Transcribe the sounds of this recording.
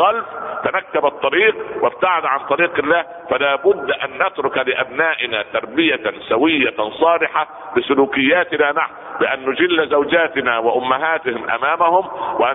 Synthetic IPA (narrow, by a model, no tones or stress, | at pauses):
ɑlft̪anakːabɑt̪ˤːɑɾiːqwɪb̚t̪aʕɪd̪ʕant̪ˤɑɾiːqɪlːaːh | falaːbʊd̪ːʔanːat̪ɾʊkalɪʔabnaːʔɪnaːt̪ɑɾˤbɪjasawɪjːasˤɑːlɪħa | bɪsʊluːkɪjːaːt̪ɪnaːnaħwbɪʔanːʊd͡ʒɪlːzawd͡ʒaːt̪ɪnawɪʔʊmːaɦaːt̪ɪhɪmʔa̰maːmahʊmwɪʔa